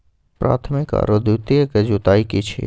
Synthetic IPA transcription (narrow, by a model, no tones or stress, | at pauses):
pɾa̰ːt̪ʰmɪka̰ɾod̪ut̪iəked͡ʒut̪aːjikit͡ʃʰḭ